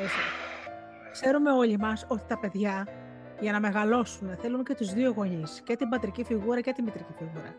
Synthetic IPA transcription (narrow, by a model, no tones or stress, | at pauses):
esi | kse̞ɾume̞o̞ʎimɐso̞t̪i̥t̪ɐpe̞ðʝɐ | ʝɐnɐme̞ɣɐlo̞suneθe̞lunce̞t̪uzðio̞ɣo̞ɲisce̞t̪ibɐt̪ɾicifiɣuɾɐce̞t̪imit̪ɾicifiɣuɾɐ̰